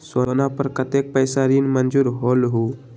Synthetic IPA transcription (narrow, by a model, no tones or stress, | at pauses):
swənapəɾkət̪ek̚pəjsaɾiːnmənd͡zuːɾɦolɦu